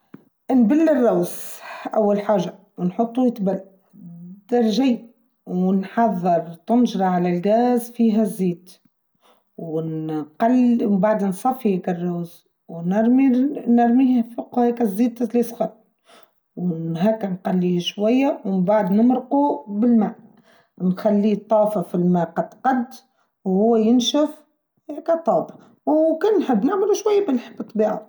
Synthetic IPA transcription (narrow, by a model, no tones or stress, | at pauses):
nbɪlːərˤːaːzʔawːalħaːʒa | wnħot̪ˤːujɪt̪bal | d̪ɑɾˤʒiː | wnħɑðˤːɨɾˤt̪ɪnʒɾˤɑʕalælɡæːzfiːɦæzːiːt̪ | wnqɑlmbaʕd̪nsˤɑfːihækarˤːaːz | wnɑɾˤminɑɾˤmihfʊqhækæzːiːd̪zlisˤxɑl | wɦæːkænqɑlːiʃwajːawmbaʕad̪nəmɾqubɪlmæːʔ | nxalːit̪ˤːɑːfafilmæːqɑd̪qɑd̪ | whʊwːæjɪnʃaf | hækæt̪ˤɑːb | wkænnħəbːnaʕmɪluʃwajːabɪlħbt̪ˤːbiːʕa